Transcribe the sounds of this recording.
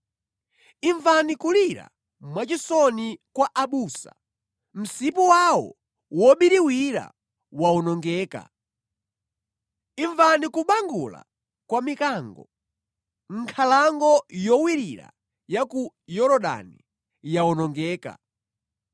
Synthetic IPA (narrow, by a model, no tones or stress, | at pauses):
iɱvanikuliɾa̰ | mwat͡ʃisɔnikwaʔaɓusa̰ | m̩sipuwawɔ̰ | wɔɓiɾiwiɾa̰ | waɔnɔŋɡɛːka̰ | iɱvanikuɓaŋɡṵla̰ | kwamikaŋɡɔ | ŋ̩kʰalaŋɡɔjɔwiɾiɾa̰ | jaku | jɔɾɔɗa̰ni | jaɔnɔŋɡɛːka̰